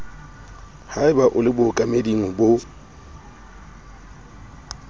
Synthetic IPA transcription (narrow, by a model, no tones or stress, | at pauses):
haɪbaʔʊlɪbʊkʼamediŋʊbʊ